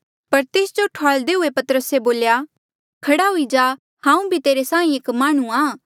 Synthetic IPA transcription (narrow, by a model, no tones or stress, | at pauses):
pɐɾt̪eːsd͡ʒoʈʰaːld̪eɦʊepɐt̪əɾəseboːlja | kʰɐɽaɦʊid͡ʒaː | hãːũbʱit̪eːɾesãːĩeːkmaːɽ̃ũaː